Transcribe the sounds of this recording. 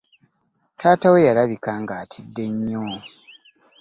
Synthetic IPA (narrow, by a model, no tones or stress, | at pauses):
tʰaːtawe̞jalaβikaŋɡaːtʰidːe̞ɲːo